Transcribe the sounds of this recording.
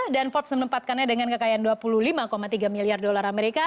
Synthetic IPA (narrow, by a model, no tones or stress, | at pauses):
danfɔp̚smənəmpat̪̚kanɲadəŋankəkajaanduapululimakomat̪iɡamiliardolarameɾika